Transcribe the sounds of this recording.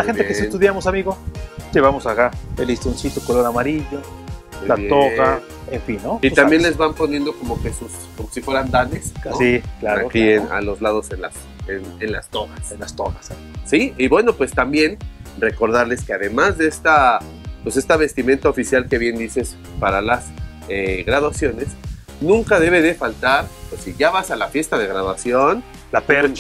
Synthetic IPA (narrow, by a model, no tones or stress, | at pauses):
axnt̪eesent̪uðjamosamiɣod͡ʒeβamosakaelist̪ɾonsit̪okoloɾamaɾiʎo | elajeoɣa | eɱfinːoit̪ambje̞nle̞zβampo̞nje̞nd̪o̞ko̞mo̞kesus | komo̞sifwe̞ɾand̪ane̞sasiklaaokiena̰lo̞zlaðo̞se̞nla̰s | enenlast̪oɣasenlast̪o̰ɣas | siiβwe̞nopwe̞st̪ambje̞nre̞ko̞ɾðaɾle̞ske̞aðe̞mazðeest̪a | pwe̞se̞st̪aβ̞e̞st̪imẽ̞nt̪aofisjalke̞βje̞nd̪ises | paɾalas | eɣɾaðwasjo̞ne̞s | nũŋkað̞e̞βe̞ðefalt̪aɾpwesiʝaβasalafje̞st̪aðe̞ɣɾaðwasjo̞n | lapeɾ